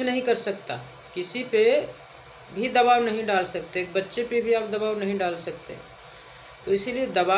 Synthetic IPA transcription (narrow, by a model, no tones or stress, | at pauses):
nəɦĩkəɾsəkt̪a̰ | kɪsipe | bʱid̪ɐbaːwnɐɦĩɖaːlsəkt̪ekbətːʃepebʱiaːpd̪ɐbaːwnɐɦĩɖaːlsəkt̪ḛ | t̪oɪsilied̪ɐba